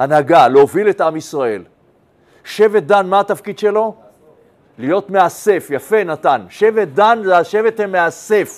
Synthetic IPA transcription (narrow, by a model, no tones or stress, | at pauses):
anaɡaleovile̞t̪amisʁae̞l | ʃevet̪̚d̪anmaat̪afkid̪ʃe̞lo̞ | lijo̞t̪mease̞fjafe̞nat̪anʃe̞vet̪̚d̪anzaʃevet̪hemːease̞f